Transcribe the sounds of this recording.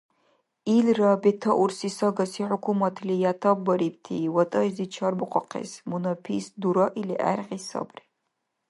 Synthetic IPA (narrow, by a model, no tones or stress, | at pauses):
ilrɐbetʰɐʔursisɐɡɐsiħʊkʰumɐtʰlijatʰɐbːɐɾib̚tʰḭwɐtʼɐʒzit͡ʃʰɐrbɨqʷʰʼɔqʰḛsmunɐpʰḭːsduɾɐʔiliʔæ̰rqisɐ̰bri